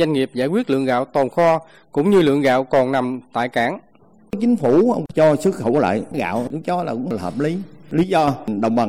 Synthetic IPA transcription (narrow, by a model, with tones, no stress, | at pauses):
a˧jŋ̟ŋi˨˩əp̚zaː˧˥jkwi˦˥ət̚lɨ̰˧əŋɣa̰ː˧˨wt̪o˨˩nxɔ˧ | kʊ̰˧˥ŋ͡mɲɨ˧lɨ̰˧˨əŋɣa̰ː˧˨wkɔ˨˩nna˨˩mt̪a̰ː˧˨jkaː˧˥ŋ˦ | t͡ɕï˨˦ŋ̟fu˧˩˧t͡ɕɔ˧sɨ˦˥kxə˧˩wla̰ː˧˨jɣa̰ː˧˨wɗɨ˨˦t͡ɕɔ˨˦laː˨˩kʊ̰˧˥ŋ͡mhəː˨˩p̚li˨˦li˨˦zɔ˧ɗə̰˧˨wŋ͡mɓə˨˩